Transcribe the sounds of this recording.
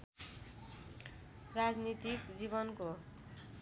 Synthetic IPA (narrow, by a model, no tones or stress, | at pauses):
rad͡znit̪ikd͡ziβʌnko